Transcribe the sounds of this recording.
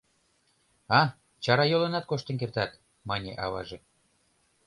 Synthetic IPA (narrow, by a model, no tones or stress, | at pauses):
ɑ | t͡ɕɑɾɑjolə̆nɑt̪̚koʃt̪ənkert̪ɑt̪ | mɑnʲḛʔɑβɑ̰ʒe